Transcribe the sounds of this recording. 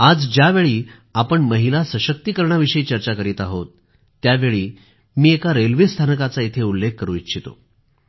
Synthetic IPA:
ad͡zd͡ʑjaʋeɭiː | apəɳməɦilasəɕək̚t̪ikəɾɳaʋiɕəiːt͡ɕəɾt͡ɕakəɾiːt̪aɦot̪ː | jaʋeɭiː | miːekaɾelʋest̪ʰanəkat͡sait̪ʰeulːekːəɾṵ̃ːit͡ɕʰit̪o̰

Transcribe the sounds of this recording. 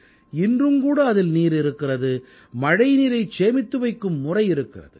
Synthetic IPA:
ɪndrɯmkuːɽɐːðɪlniːɾɪɾɯkːɪrɐðɯ | mɐɽɐɪniːɾɐɪt͡ʃeːmɪt̪ːɯʋɐɪkːɯmːʊrɐɪɪɾɯkːɪrɐ̰ðɯ

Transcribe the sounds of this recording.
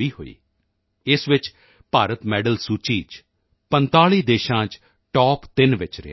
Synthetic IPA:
iːɦo̰ːḭː | ɪsʋɪt͡ʃ | paːɾət̪mɛːɖəlsuːt͡ʃiːd͡ʒ | pənt̪aːɭiːd̪eːʃãːt͡ʃ | ʈɔːpt̪ɪnʋɪt͡ʃɾɪ̰a̰

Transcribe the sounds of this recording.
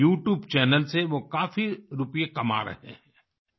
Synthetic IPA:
uːʈjuːbt͡ʃɛːnəlseʋokaːfiɾʊpijekɐma̰ːɾə̰ɦḛ̃ɛ̃ː

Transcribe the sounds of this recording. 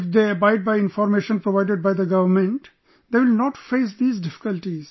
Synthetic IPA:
ɪfd̪eːɐbaɪɖ̚baɪɪ̃nfɔːɾmeːʃə̃npɾoʋaɪɖeɖ̚baɪd̪əɡʌʋəɾmẽɳʈ | d̪eːʋɪlnɔːʈfeːs̬d̪iːzɖɪfɪ̥kəlʈiz̥

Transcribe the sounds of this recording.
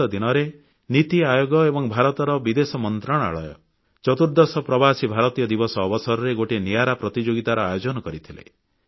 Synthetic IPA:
ɔd̪inɔɾe | nit̪iajoɡɔebɔŋbʱaɾɔt̪ɔɾɔbid̪esɔmɔnt̪ɾaɽ̃a̰ɭɔjɔ̰ | t͡ʃɔt̪uɾd̪ɔsɔpɾɔbasibʱaɾɔt̪ijɔd̪ibɔsɔːbɔsɔɾɔɾeɡoʈenijaɾapɾɔt̪id͡ʒoɡit̪aɾɔajod͡ʒɔnɔkɔɾit̪ʰilḛ

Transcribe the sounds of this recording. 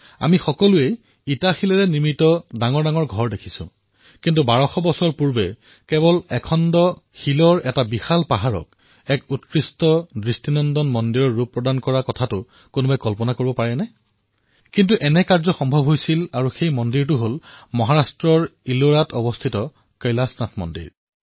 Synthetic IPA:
a̰mixɔkɔluej | itaxilaɹɛniɹmitɔdaŋɔɹdaŋɔɹɡʱɔɹdekʰi̥sʊ̰̃ | kintubaɹɔxɔbɔsɔɹpuɹbɛ̰ | kɛβɔlɛkʰɔndɔxilɔɹɛtabixalpaɦaɹɔ̰k̚ | ɛkutkɹistɔdɹistinɔndɔnmɔndiɹɔɹːupːɹɔdankɔɹakɔtʰatʊ | konubajkɔlpɔnakoɹibɔpaɹɛnɛ | kintuʔɛnɛkaɹzɔxɔmbʱɔbʱɦojsilaɹuxejmɔndiɹtʊɦolmɔɦaɹastɹɔɹiloɹatɔbɔstʰitɔ | kajlasnatʰmɔ̰ndḭɹ

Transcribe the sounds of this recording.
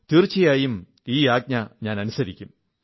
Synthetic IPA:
t̪irt͡ɕːijaːjum | iːaːɡ̚ɲɐɲaːnɐnusɐɾikʲːum

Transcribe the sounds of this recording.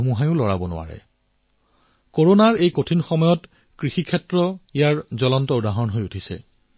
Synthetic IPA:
umuɦajʊ̃lɔɹa̰bɔnʊ̰wa̰ɹɛ̰ | koɹonaɹejkotʰinxɔmɔjɔt | kɹixikʰɛtɹɔijaɹzɔlɔntɔʊdaɦɔnɦojutʰisɛ̰

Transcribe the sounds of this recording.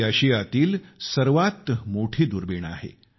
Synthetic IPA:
aɕiːat̪iːlsəɾʋat̪moʈʰiːd̪uɾbeɳa̰ɦḛ

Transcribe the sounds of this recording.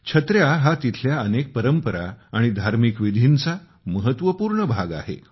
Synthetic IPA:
t͡ɕʰət̪ɾjaɦat̪it̪ʰljaənek̚pəɾəmpəɾa̰aɽ̃id̪ʱaɾmikʋid̪ʱint͡sa | məɦət̪ʋəpuːɾɳəbʱaɡa̰ɦḛ

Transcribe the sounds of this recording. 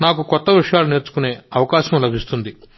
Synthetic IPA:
naːkukɔt̪ːɐʋiʂɐjaːlune̞ːɾt͡ʃu̥kune̞ːɐʋɐkaːʃɐmlɐbʱist̪und̪i

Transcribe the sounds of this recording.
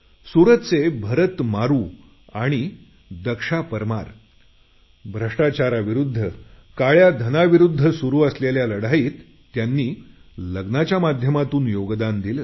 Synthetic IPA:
suɾət̪t͡sebʱəɾət̪maɾuː | aɽ̃i | d̪əkʂapəɾmaɾ | bʱɾəʂʈat͡ɕaɾaʋiɾud̪ʱːə | kaɭjad̪ʱənaʋiɾud̪ʱːəsuɾuːəsleljaləɽajiːt̪ː | janːiː | ləɡnat͡ɕjamad̪ʱjəmat̪uːnjoɡd̪and̪ilə

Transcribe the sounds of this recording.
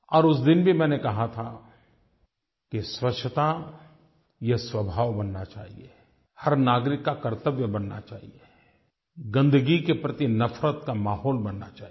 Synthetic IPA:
ɔːɾʊsd̪ɪnbʱimɛ̃ːnekɐɦat̪ʰa | keswɐkt͡ʃʰːət̪a | jɛswɐbʱaːʋbɐnːat͡ʃa̰ːɦie | hɐɾnaːɡɾɪkːakɐɾt̪əʋjəbɐnːa̰t͡ʃa̰ːɦie | ɡɐ̃nd̪əɡikepɾət̪inɐfɾət̪kamaːɦɔːlbɐnːa̰t͡ʃaː

